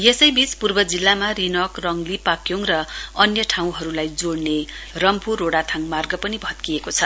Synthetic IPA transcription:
jesʌjbit͡spurbʌd͡zilːamaɾinʌkrʌŋlipakjoŋrʌʌnjʌʈʰaw̃ɦʌɾulajd͡zoɽnerʌmpurːoɽat̪ʰaŋmarɡʌpʌnibʱʌt̪kiekot͡sʰʌ

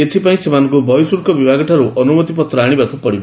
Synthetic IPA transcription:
et̪ʰipaĩsemankobʱʌjsuɾkʌbibʱaɡʌʈʰaɾuʔʌnumʌt̪ipʌt̪raɽ̃ibakupʌɽib

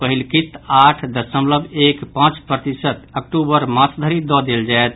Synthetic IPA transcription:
pəɦilkit̪aʈʰd̪əsəmləbekpãt͡ʃpɾət̪isət̪əkʈubəɾmasd̪ʱəɾid̪ɔd̪eld͡ʒaet̪

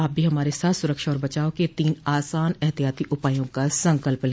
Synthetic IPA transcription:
aːp̚bʱiɦɐmaːɾesaːt̪ʰsʊɾəkʃaɔːɾbɐt͡ʃaːoket̪iːnaːsaːnɛɦt̪ijaːt̪iʔʊpaːjõkasɐ̃ŋkəlpl

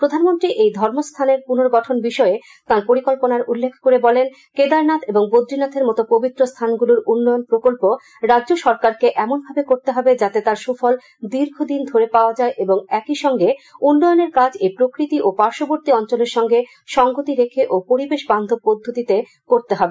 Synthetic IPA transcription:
pɾod̪ʱanmont̪ɾiʔejd̪ʱɔɾmost̪ʰaneɾpunoɾɡɔʈʰonbiʃɔe | t̪aɾpoɾikolponaɾulːekʰkoɾebɔlen | ked̪aɾnat̪ʰeboŋbod̪ɾinat̪ʰeɾmɔt̪opobit̪ːɾost̪ʰanɡuluɾunːɔjonpɾokolpo | ɾadːʑoʃɔɾkaɾkeʔɛmonbʱabekoɾt̪eɦɔbed͡ʑat̪et̪aɾʃufɔl | d̪iɾɡʱod̪ind̪ʱoɾepaoad͡ʑaeʔeboŋɛkiʃɔŋɡeunːɔjoneɾkad͡ʑepɾokɾit̪iʔopaɾʃoboɾt̪iɔnt͡ɕoleɾʃɔŋɡe | ʃɔŋɡot̪iɾekʰeʔopoɾibeʃband̪ʱopod̪ʱːot̪it̪e | koɾt̪eɦɔbe

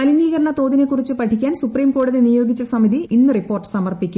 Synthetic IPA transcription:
ɐliniːɣɐɾɐɳɐt̪o̞ːðine̞kːurit͡ɕːɨpɐʈʰikʲːaːnsupriːmko̞ːɽuðinijo̞ːɡit͡ɕːɐsɐmiðiinːɨripːo̞ːrʈɨ̥sɐmɐrpikʲːu

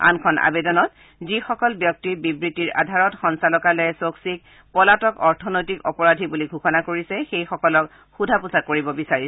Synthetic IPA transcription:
a̰nkʰɔnʔa̰bedɔnɔt | zixɔkɔlbjɔk̚tibibɹitiɹʔa̰dʱaɹɔtxɔnsalɔkalɛsoksik̚ | pɔlatɔkɔɹtʰɔnojtikɔpɔɹadʱibuliɡʱuxɔnakoɹisɛxejxɔkɔlɔk | xudʱapusakoɹibɔbisaɹis

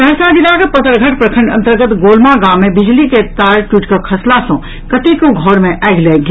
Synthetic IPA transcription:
bɛɾsad͡ʒilakepət̪əɾɡʱəʈpɾəkʰə̃ɳɖɐ̰̃nt̪əɾɡət̪ɡoːlmaɡaːmːẽbɪd͡ʒliket̪aːɾʈwiːʈkakʰɐslasɔ̃ | kɐt̪ikoɡʱɔːɾmẽʔaːɡleɡ

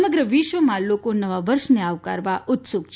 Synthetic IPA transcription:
məɡɾəʋiʃʋəmãlokonəʋaʋəɾʃneaʋka̰ɾʋaʔʊt̪suɡt͡ʃʰ

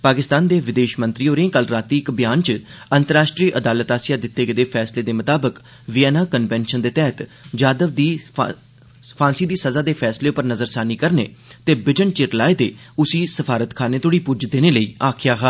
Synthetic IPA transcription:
paːkɪst̪aːnd̪eːʋɪd̪eːʃmə̃nt̪ɾiːoːɾẽːkəlɾaːt̪iːɪkbɪjaːnt͡ʃənt̪əɾaːʃʈɾiːʔəd̪aːlət̪aːsɪjaːd̪ɪt̪ːeːɡəd̪eːpʰɛːsleːd̪eːmət̪aːbək | ʋɪjɛːnaːkənʋɛːnʃənd̪eːt̪ɛːɦt̪d͡ʒaːd̪əʋd̪iː | pʰãːnsiːd̪iːsəzaːd̪eːpʰɛːsleːʊpːəɾnəzəɾsaːniːkəɾnḛːt̪eːbɪd͡ʒəɳt͡ʃɪɾlaːed̪eːʊsiːsəpʰaːɾət̪kʰaːneːt̪ʰoɽiːpʊd͡ʒd̪eːneːləiːaːkʰɪjaːɦaː

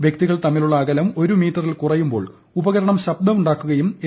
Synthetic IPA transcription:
ʋjek̚t̪iɣɐɭt̪ɐmːiluɭːɐːɣɐlɐmo̞ɾumiːʈːɐrilkurɐjːumbo̞ːɭ | ubɐɣɐɾɐɳɐmɕɐb̚d̪ɐmuɳɖaːkːuɣɐjume

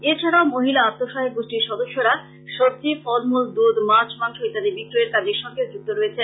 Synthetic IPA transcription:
et͡ɕʰaɾaomoɦilaapt̪ːoʃaɦek̚ɡuʃʈiɾʃɔd̪oʃːoɾa | ʃoɾ̚t̪ifɔɾmuld̪ud̪mat͡ɕmanʃoit̪ad̪ebik̚ɾoeɾkad͡ʑeɾʃɔŋɡed͡ʑuk̚t̪ːoɾoet͡ɕʰe

